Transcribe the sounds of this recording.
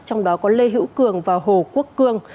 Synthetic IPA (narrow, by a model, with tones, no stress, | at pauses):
t͡ɕɔ˧wŋ͡mɗɔ˨˦kɔ˨˦le˧ɦḭ˧˥wkɨ˨˩əŋvaː˨˩wɦo˨˩ku˦˥əkːɨ˧əŋ